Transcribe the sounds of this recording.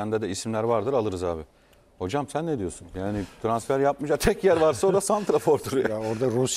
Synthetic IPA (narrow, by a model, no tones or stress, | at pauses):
ænd̪ɛd̪ɛisimlʲæɾvaɾd̪ɯɾalˠɯɾɯzaːbɪ | ho̞d͡ʒamsænːed̪ijo̞sunjaːnɪt̪ʰɾansfæɾjap̚mɯd͡ʒat̪ʰɛcjæɾvaɾsaod̪asant̪ɾafoɾd̪uɾaoɾd̪aɾus